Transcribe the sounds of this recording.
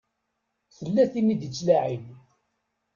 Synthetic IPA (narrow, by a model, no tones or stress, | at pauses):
θəlːæθinːid̪ət͡sːlaʕim